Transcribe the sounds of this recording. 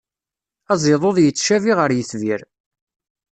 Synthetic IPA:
ɑzˤeðˤoðˤjət͡sːʃæviʁəɾjəθviɾ

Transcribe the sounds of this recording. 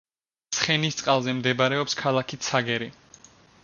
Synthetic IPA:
t̪sʰχɛnist̪sʼqʼalˠzɛmd̪ɛbaɾɛɔpskʰalˠakʰit̪sʰaɡɛɾi

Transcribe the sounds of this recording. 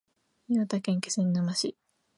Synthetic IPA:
ɲiot̪akẽ̞ŋke̥sẽnnamaɕi

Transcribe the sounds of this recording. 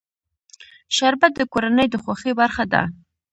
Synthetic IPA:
ʃaɾbat̪̚d̪əkoɾanəjd̪əxwaxebaɾxad̪a̰

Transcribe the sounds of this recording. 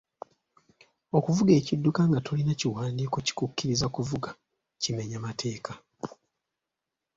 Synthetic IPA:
okuvuɡe̞ːcidːukaŋɡato̞linaciwaːndiːkuci̥kukːiɾizakuvuɡa | cime̞ɲamatʰe̞ːka

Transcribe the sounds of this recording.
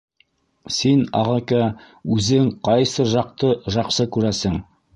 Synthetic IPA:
sinɑ̰ʁɑkæ | ʉzɘŋqɑjsɤʒɑq̚t̪ɤʒɑqsɤkʉɾæsɘŋ

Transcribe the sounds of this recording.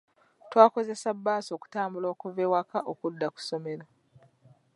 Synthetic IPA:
twaːko̞ze̞sabːaːso̞ːku̥taːmbulo̞ːkuveːwakaʔokudːaku̥so̞me̞la

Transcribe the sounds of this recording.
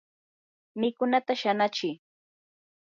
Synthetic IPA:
mɪkʊnat̪aʃanat͡ʃɪ

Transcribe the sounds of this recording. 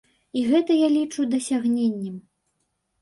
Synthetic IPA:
iɣɛt̪ɐjalʲit͡ʂud̪ɐsʲaɣnʲenʲːɛm

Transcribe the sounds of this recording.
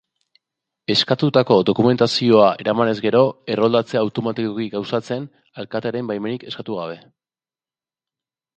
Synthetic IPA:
e̞skat̪ut̪ako̞d̪o̞kume̞nt̪asio̞aʔe̞ɾamane̞zɡe̞ɾo̞e̞ro̞ld̪at͡seawt̪o̞mat̪ikokiɡawsat͡se̞n | alkat̪eɾembajme̞nike̞skat̪uɣ̞aβ̞e̞

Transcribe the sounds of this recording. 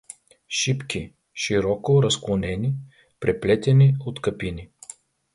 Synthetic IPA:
ʃipkʲi | ʃiɾɔkoɾɐsklˠonɛni | pɾɛplɛt̪ɛniot̪kɐpini

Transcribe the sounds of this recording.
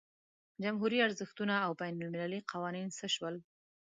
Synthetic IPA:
d͡ʒamɦuɾiaɾzəxt̪unaːwbajnʊlmɪlaliqawɑninsəʃwəl

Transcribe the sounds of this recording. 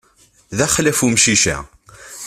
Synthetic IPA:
ðæχlæfumʃiʃæ̰

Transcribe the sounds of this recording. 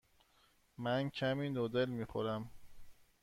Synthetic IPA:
mæncʰæmiːnod̪elmiːxoɾæm

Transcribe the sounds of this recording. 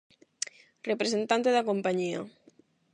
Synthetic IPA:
repɾesent̪ant̪eðakompaɲia

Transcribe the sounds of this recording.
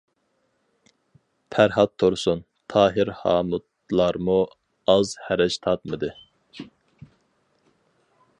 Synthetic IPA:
pʰæɾɦɑt̪ʰːoɾsun | t̪ʰɑːɦɪɾhɑ̰ːmut̪ | lˠɑɾmu | ɑzhæɾɛʃt̪ʰɑt̪̚mɨd̪ɨ

